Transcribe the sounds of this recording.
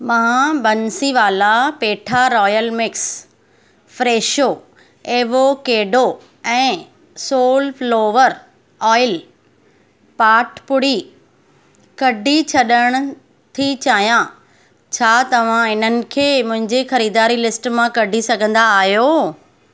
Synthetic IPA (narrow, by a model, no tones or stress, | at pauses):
mãːbɐnsiʋaːlapeːʈʰaɾɔːjəlmɪks | fɾeːʃoː | eːʋokeːɖo | ɛ̃ː | soːlfloːʋəɾ | ɔːɪl | paːʈʰpʊɽ̤i | kɐɖʱit͡ɕʰɐɗəɽ̃ʊ̆ | t̪ʰit͡ɕaːɦjã | t͡ɕʰaːt̪ɐʋ̤ãɪnənɪ̆kʰeːmʊ̃ɦɪ̃ɲd͡ʑexɐɾiːd̪aːɾilɪsʈmãkɐɖʱisɐɡʱə̃nd̪aːɦijoː